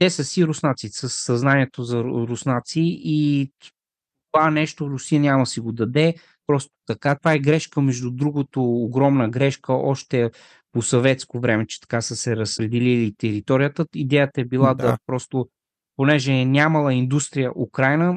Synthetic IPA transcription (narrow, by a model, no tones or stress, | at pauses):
t̪ɛsɐsiɾʊsnat̪sisəsːɐznaniɛt̪ozɐɾʊsnat̪siʔi | ovanɛʃt̪oɾʊsijənʲaməsiɡod̪ɐd̪ɛ | pɾɔst̪o̥t̪ɐkat̪ovaɛɡɾɛʃkəmɛʒd̪ud̪ɾuɡot̪oːɡɾɔmnəɡɾɛʃkəʔɔʃt̪ɛ | posovɛt̪skovɾɛmɛt͡ʃɛ̥t̪ɐ̥kasəsɛɾɐspɾɛd̪ɛlilit̪ɛɾit̪ɔɾijət̪əid̪ɛjət̪əɛbilˠad̪ɐpɾɔst̪o | ponɛʒɛnʲaməlˠɐind̪ust̪ɾijəʔukɾajnə